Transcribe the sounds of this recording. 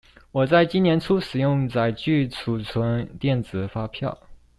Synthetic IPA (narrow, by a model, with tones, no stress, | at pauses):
wɔ˨˩t͡sa˥˩ɪt͡ɕi˥njɛ˧˥nʈ͡ʂʰu˥ʂɻ̩˨˩jʊ˥˧ŋt͡sa˥˩ɪt͡ɕy˥˩t͡sʰu˨˩t͡sʰwə˧˥nt̪jɛ˥˩nt͡sɹ̩˨˩fa˥pʰjɑ̰˥˩ʊ